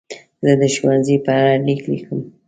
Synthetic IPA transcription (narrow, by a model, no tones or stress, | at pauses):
zəd̪əʃwanzipəaɽaliklḭkəm